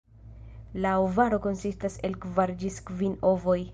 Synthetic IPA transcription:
laovaɾo̞ko̞nsistase̞lkvaɾd͡ʒiskvinovo̞j

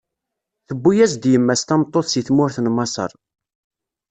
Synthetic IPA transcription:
θəbːujæzd̪jəmːæst̪ɑmt̪ˤːoθsiθmʊɾθnmɑsˤə̰ɾˤ

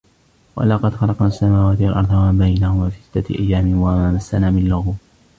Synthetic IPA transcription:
wa̰lɑqɑd̪xɑlɑqnaːasːamaːwaːt̪ɪwalʔɑɾˤd̪ˤwaaːbajnahʊmaːfsisɪ̥d̪ːat̪ɪʔajːaːmɪnwaʔamaːmasːanaːmɪnlʊɣuː

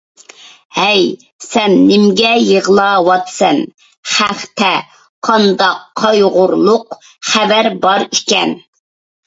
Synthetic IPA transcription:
hɛj | sɛnːɪmɡʲɛjəʁəlˠɑːwɑt̪sɛn | χæχt̪ʰɛ | qʰɑnd̪ɑqʰːɑjʁʊɾlˠʊq | χævæɾbɑɾikʲɛn

